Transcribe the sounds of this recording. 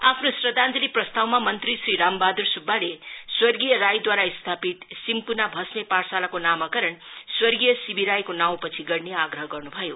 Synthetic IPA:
apʰnosrʌd̪ãnd͡zʌliprʌst̪awmamʌnt̪risriɾambad̪ursubːaleswʌrɡijʌɾajd̪waɾaist̪ʰapit̪simpunabʱʌsmeparsalakonamʌkʌɾʌnswʌrɡijʌsibiɾajkonaw̃pʌt͡sʰiɡʌrneaɡɾʌɦʌɡʌrnubʱʌjo

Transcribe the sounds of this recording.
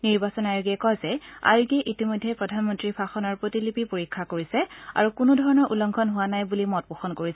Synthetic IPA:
niɹbasɔnajuɡiɛkɔzɛa̰juɡiɛʔitimɔjdʱːɛpɹɔdʱanmɔntɹipʰaxɔnɔɹpɹotilipipoɹikʰːakoɹisɛa̰ɹukunudʱɔɹɔnɔɹʔulɔŋɡʱʰɔnɦʊwanajbulimɔt̚puxɔnkoɹisɛ

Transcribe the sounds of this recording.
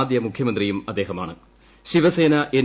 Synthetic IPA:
d̪jɐmukʰjɐmɐnd̪rijumɐd̪ːeːɦɐma̰ːɳɨ | ɕiʋɐse̞ːnɐʔen

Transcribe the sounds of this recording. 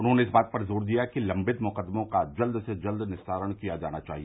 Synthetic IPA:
ʊnɦõneɪsbaːt̪̚pɐɾzoːɾd̪ijakilɐ̃mbɪt̪mʊqəd̪mõkad͡ʒɐld̪sed͡ʒɐld̪nɪst̪ʰaːɾəɽ̃kijad͡ʒa̰ːnat͡ʃaːɦi

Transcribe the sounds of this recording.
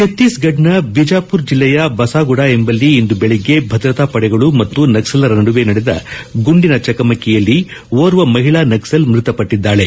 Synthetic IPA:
ket̪ːiːsɡɐɖnɐbid͡ʒaːpuɾd͡ʒilːɛjɐbɐsaːɡuɽaːe̞mbɐlːiːnd̪ubeɭiɡːe̞bʱɐd̪ɾɐt̪aːpɐɽɛɡɐɭumɐt̪ːunɐɡsɐlɐɾɐnɐɽuʋe̞nɐɽed̪ɐ̰ɡuɳɖinɐt͡ʃɐkɐmɐkːɛjɐlːiʋoːɾuʋɐmɐɦiɭaːnɐɡsɐlmɾɪt̪ɐpɐʈːid̪ːaːɭe̞

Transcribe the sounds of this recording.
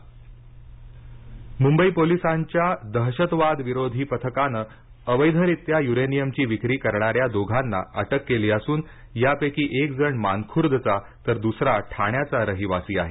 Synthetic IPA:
mumbəiːpolisaɲt͡ɕjad̪əɦɕət̪ʋad̪ʋiɾod̪ʱiːpət̪ʰəkanə | əʋəjd̪ʱəɾit̪jajuɾenijəmt͡ɕiːʋikɾiːkəɾɳaɾjad̪oɡʱanːa̰əʈəkːeliːəsuːn | japekiːʔek̚d͡zəɳmankʰuɾd̪t͡sa | t̪əɾd̪usɾaʈʰaɳjat͡saɾəɦiʋasiːaɦe

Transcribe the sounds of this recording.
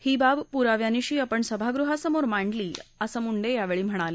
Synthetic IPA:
hiːbabpuɾaʋjaniɕiːəpəɳsəbʱaɡɾuɦasəmoɾmaɳɖliːəsəmuɳɖejaʋeɭiːm̤əɽ̃ali

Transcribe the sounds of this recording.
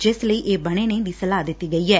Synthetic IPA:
d͡ʒɪsləiːʔeːbəɽ̃eːned̪iːsəlaːd̪ɪt̪ːiːɡəiːɦɛː

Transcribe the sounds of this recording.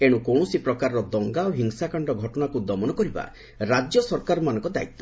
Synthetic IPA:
eɽ̃ukɔɽ̃ɔsipɾɔkaɾɔɾɔd̪ɔŋɡaoɦiŋsakaɳɖɔɡʱɔʈɔɽ̃akud̪ɔmɔnɔkɔɾiba̰ | ɾad͡ʒjɔsɔɾkaɾɔmanɔ̃ŋkɔd̪a̰it̪ːɔ̥

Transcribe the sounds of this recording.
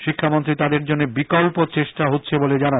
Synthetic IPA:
ʃikʰːamont̪ɾit̪ad̪eɾd͡ʑonːebikɔlpot͡ɕeʃʈaɦotːɕʰeboled͡ʑana

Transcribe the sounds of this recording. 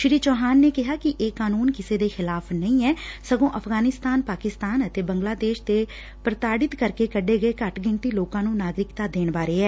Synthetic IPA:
ʃɪɾiːt͡ʃɔːɦaːnːeːkɪɦaːkɪʔeːkaːnuːnkɪseːd̪eːxɪlaːfʰnəĩːɛːsəɡõːʔəfʰɡaːnɪst̪aːnpaːkɪst̪aːnət̪eːbəŋɡlaːd̪eːʃt̪eː | pɾət̪aːɖɪt̪kəɾkeːkəɖeːɡəeːkəʈɡɪnt̪iːloːkãːnũːnaːɡɾɪkt̪aːd̪eːɳbaːɾeːɛː

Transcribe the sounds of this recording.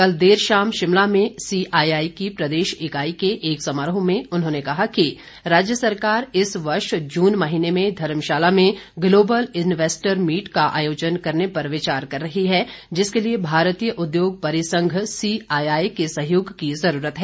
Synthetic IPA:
kɐld̪eːɾʃaːmʃɪmlamẽsiːʔaːaːikipɾɐd̪eːʃɪkaːikeʔeːksɐmaɾɦõmẽʊnɦõːnekɐɦaki | ɾaːd͡ʒjəsɐɾkaːɾɪsʋɐɾʃd͡ʒuːnmɐɦiːnemẽd̪ʱɐɾmʃaːlamẽɡloːbəlɪnʋeːsʈəɾmiːʈkaʔa̰ːjoːd͡ʒənkɐɾnepɐɾʋɪt͡ʃaːɾkɐɾːɐɦiɦɛd͡ʒɪskeliebʱaːɾt̪iːjəʔʊd̪joːɡ̚pɐɾɪsə̃ŋɡʱsiːaːjaːikesɐɦjoːɡkizɐɾuːɾət̪ɦɛː

